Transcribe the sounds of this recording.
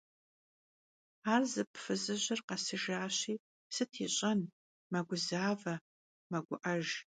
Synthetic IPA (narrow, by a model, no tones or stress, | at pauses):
aːrzɨpʰfɨzɨʑɪrqɐsɨʒaːɕiː | sɨtʰiɕʼɐn | mɐɡʷʊzaːvɐ | mɐɡʷʊʔɐʒ